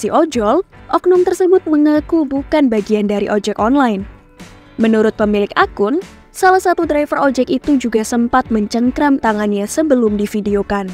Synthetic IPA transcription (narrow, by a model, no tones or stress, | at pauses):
siʔɔd͡ʒɔlʔɔk̚nɔŋt̪ərsəbʊt̪̚məŋakubukanbaɡiandaɾiʔɔd͡ʒɛkɔnlaɪn | mənuɾʊt̪̚pəmilɪkakʊn | salahsat̪udɾajfərʔɔd͡ʒɛkit̪ud͡ʒuɡasəmpat̪̚məɲt͡ʃəŋkɾamt̪aŋanɲasəbəlʊmdifideokan